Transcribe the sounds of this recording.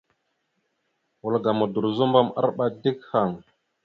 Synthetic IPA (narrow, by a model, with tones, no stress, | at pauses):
wu˨lɡa˨mu˨du˨ɾzu˦mba˦ma̰˦ɾɓa˦di˦kha˨ŋ